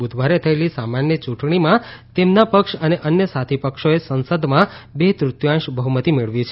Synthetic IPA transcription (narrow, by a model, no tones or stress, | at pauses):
ud̪ʱʋaɾet̪ʰəelisamanjət͡ʃũʈɳ̃imãt̪emnapəkʃəneʔənjəsat̪ʰipəkʃoesənsəd̪mãbet̪ɾʊt̪jãʃbəɦumət̪imeɭʋit͡ʃʰe